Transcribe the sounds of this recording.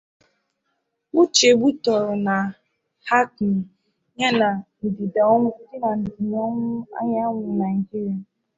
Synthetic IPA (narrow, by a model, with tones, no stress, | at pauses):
ʊ˦t͡ʃe˨ɡ͡bu˦tɔ˨ɾʊ˨na˨ | ha˦k | ɲa˦na˨n̩˨di˨da˨ɔ˦ŋʷʊ˦n̩˦dɪ˦na˨n̩˨di˨ɲɔ˦ŋʷʊ˦a̰˦ɲa˦ŋʷʊ˨na˨ŋ̩˨ɡi˦ɾe˦